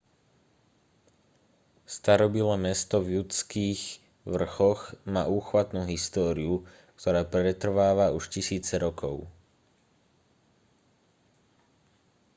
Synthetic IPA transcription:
st̪aɾɔbilɛːmɛst̪ɔvjut͡skiːɣ | ʋr̩xɔɣma̰ːuːxʋat̪nuːɦist̪ɔːɾiu | kt̪ɔɾaːpɾɛt̪r̩ʋaːʋauʃcisiːt͡sɛɾɔkʰɔʊ

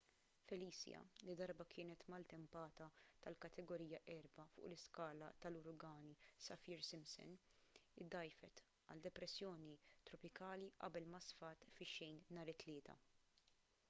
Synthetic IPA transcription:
fɛliːsjɐ̰lid̪ɐɾbɐkʰɪːnɛt̪mɐlt̪ɛmpɐːt̪ɐt̪ɐlkɐt̪ʰɛɡɔɾiːjɐʔɛɾbɐfʊ̰ːʔlɪskɐːlɐ̰t̪ɐlʊɾɡɐːnisɐfiːɾsɪmsɔ̰nɪd̪ːɐjfɛ̰t̪ | ɐ̰ld̪ɛpɾɛsjɔːnit̪ɾɔpɪkɐːliʔɐ̰bɛlmɐsfɐːt̪fɪʃːɛjnnɐːɾɪt̪ːlɪːt̪ʰɐ̰

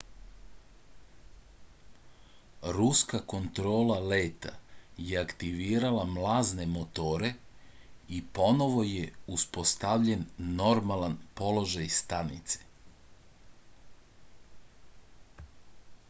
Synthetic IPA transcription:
ɾuskako̞nt̪ɾo̞ːlalet̪a̰jeakt̪iʋiːɾalamlˠaːzne̞mo̞t̪o̞ːɾe̞ | ipo̞no̞ʋo̞jeuspo̞st̪aʋʎe̞nːo̞ɾmalanpo̞lo̞ʒajst̪anḭt̪se̥

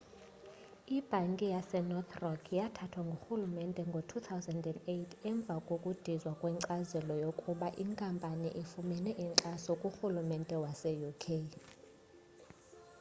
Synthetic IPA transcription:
ib̥ʱaŋkʼijasɛnɔt̪ʰrɔkʰjatʰatʰwaŋɡʱoxulumɛntʼɛŋɡʱotʰut̪ʰawzɛndɛndeitʰɛɱb̪vʱakʼokʼud̥ʱizwakʼwɛŋǀazɛlɔjokʼuɓaʔiŋkʼampʼanḭʔifumɛnɛʔiŋǀʼasɔkʼuxulumɛntʼɛwasɛjukʰe

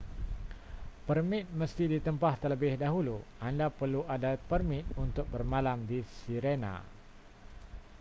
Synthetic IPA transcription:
pərmɪt̪̚məst̪idit̪əmpaht̪ərləbɪhdaɦuluʔandapərluʔadapərmɪt̪̚unt̪ʊk̚bərmalamdisiɾena̰

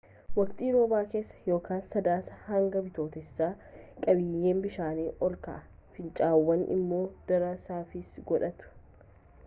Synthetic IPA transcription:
wɐkt̪ʼiːɾoːbaːke̞ːsːɐ̥jo̞ːkʰaːnsɐd̪aːsɐhɐŋɡɐbɪt̪o̞ːt̪ɛɪsːaː | kʼɐbɪjːe̞ːmbɪʃaːniːʔɔlkɐ̰ʔɐ | fɪnt͡ʃʼaːwːɐnʔɪ̰mːo̞ːd̪̥ɐɾɐsaːfɪsɡɔᶑɐt̪ʊ̥

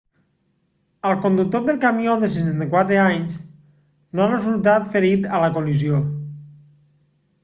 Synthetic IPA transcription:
əlˠkond̪uk̚t̪oðelˠkamjoðesesant̪ekwat̪ɾeaɲs | noarezulˠt̪at̪feɾit̪ələkolizio

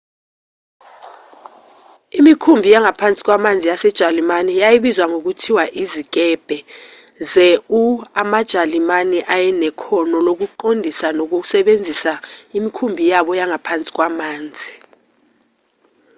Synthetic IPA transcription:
imikʰumbʱijaŋapʰant͡sʼi̥k̬wamand͡zʱijasɛd̥ʒ̥ʱalimanijajiɓizwaŋok̬utʰiwaʔizik̬ɛb̥ʱɛ | zɛuamad̥ʒ̥ʱalimanɛʔajɛnɛkʰɔnɔlok̬uǃondʱisanok̬uk̬u̥sɛɓend͡zʱisaimikʰumbʱijaɓɔjaŋapʰant͡sʼi̥k̬wamaːnd͡zʱi

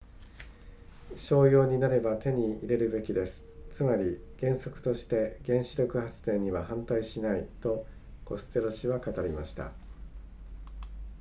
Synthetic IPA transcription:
ɕo̞ːjo̞ːɲ̟inaɾe̞bat̪e̞ɲ̟iiɾe̞ɾɯ̟be̞kʲid̪e̞sɨ̥t͡sɨmaɾʲiɡ̥ẽ̞ɰ̃so̞kɯ̟̥t̪o̞ɕi̥t̪e̞ɡẽ̞ɰ̃ɕiɾʲo̞kɯ̟hat͡sɨ̥t̪ẽ̞ɲ̟ːiβ̞ahãnt̪aiɕinait̪o̞ | ko̞sɨ̥t̪e̞ɾo̞ɕiβakat̪aɾʲimaɕi̥t̪a̰

